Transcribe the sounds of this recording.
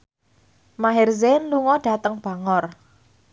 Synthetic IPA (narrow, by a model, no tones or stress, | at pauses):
maɦɛrzenluŋɔɖ̥a̤t̪əŋb̥a̤ŋɔr